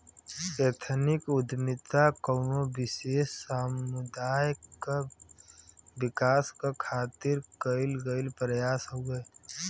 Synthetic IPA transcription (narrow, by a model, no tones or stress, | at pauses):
et̪ʰənɪkʊd̪mɪt̪akəːnobɪʃeːssaːmʊd̪aːjka | bɪkaːskakʰaːt̪ɪɾkəɪlɡəɪlpɾəjaːsɦoɡəe